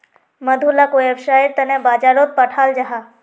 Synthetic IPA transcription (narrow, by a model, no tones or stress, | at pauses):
mɐd̪ʱulakoebʃaːiɾt̪ɐnẽbaːd͡ʒaːɾot̪̚pəʈʰaːld͡ʒaɦaː